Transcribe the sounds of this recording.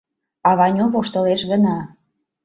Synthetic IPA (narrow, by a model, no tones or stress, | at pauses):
ɑβɑnʲoβoʃt̪ə̆leʃɣənɑ